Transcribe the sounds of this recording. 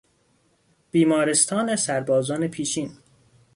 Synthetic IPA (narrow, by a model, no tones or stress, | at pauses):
b̥iːmɒːɾest̪ʰɒːnesæɾbɒːzɒːnepʰiːʃiːn